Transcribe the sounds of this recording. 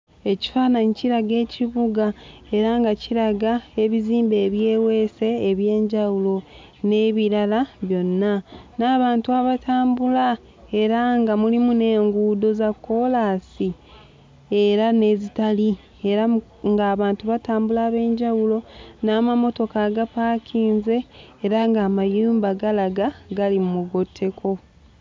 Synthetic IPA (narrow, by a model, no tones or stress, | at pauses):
e̞ci̥faːnaɲiciɾaɡe̞ːciβuɡae̞ɾaŋɡaciɾaɡae̞βiziːmbe̞ːβje̞ːwe̞se̞ːβje̞ːɲɟawulo̞ | ne̞βiɾalaβjo̞nːanaːβaːntuaβatʰaːmbula | e̞ɾaŋɡamulimune̞ːŋɡuːdo̞zakːo̞laːsi | eɾane̞ːzitali | e̞ɾa | ŋɡaːβaːntuβataːmbulaːβe̞ːɲɟawulo̞naːmamo̞to̞kaɡapaːkʰiːnze̞ːɾaŋɡaːmajuːmbaɡalaɡaɡalimumuɡo̞tʰːe̞kʰo̞